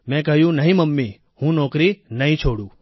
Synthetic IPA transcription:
mɛ̃kəɦjũnəɦĩməmːi | hũnɔkɾinəɦĩt͡ʃʰoɽũ

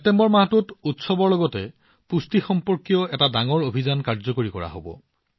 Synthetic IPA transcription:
detembɔɹmaɦtututsɔbɔɹlɔɡɔtɛ | pustixɔmpɔɹkijɔɛtadaŋɔɹobʱizankaɹzɔkoɹikɔ̰ɹa̰ɦo̰bɔ̰

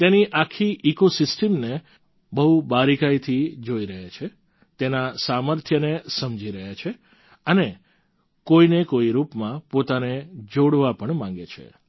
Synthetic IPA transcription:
t̪eniʔakʰːiʔikosɪsʈəmne | bəɦubaɾikait̪ʰid͡ʒoiɾəɦet͡ʃʰe | t̪enasaməɾt̪ʰjənesəmd͡ʒiɾəɦjat͡ʃʰe | əne | koinekoiɾupmãpot̪aned͡ʒoɽʋapəɳmãŋ̆ɡet͡ʃʰḛ

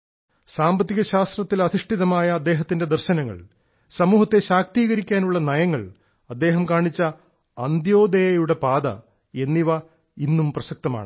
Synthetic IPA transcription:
saːmbɐt̪ːiɣɐɕaːst̪rɐt̪ːilɐd̪ʱiʂʈiðɐmaːjɐːd̪ːe̞ːɦɐt̪ːinde̞d̪erɕɐnɐŋːɐ̰ɭ | sɐmuːɦɐt̪ːe̞ɕaːk̚t̪iːɣɐɾikʲːaːnuɭːɐnɐjɐŋːɐɭ | ɐd̪ːe̞ːɦɐmkaːɳit͡ɕːɐ | ɐnd̪jo̞ːd̪ejɐjuɽe̞paːd̪ɐ̰ | e̞nːiʋɐ | inːumprɐsɐk̚t̪ɐma̰ːɳɨ

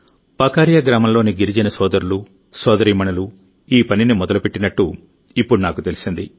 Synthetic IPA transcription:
paːkaːɾjaɡɾaːmɐmlo̞ːniɡiɾid͡ʒinɐsɔːd̪ɐɾulu | sɔːd̪ɐɾiːmɐɳɐlu | iːpɐninimɔd̪ɐlupeʈːinɐʈːu | ipːuɽunaːkut̪e̞lisind̪i

